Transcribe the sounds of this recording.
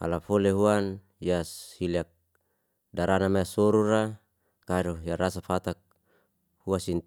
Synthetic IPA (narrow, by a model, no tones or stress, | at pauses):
a̰lafoleɦuan | jashiliak̚ | daɾanamaasɔɾuɾa | kaɾɔjaɾasafat̪ak̚ | huasin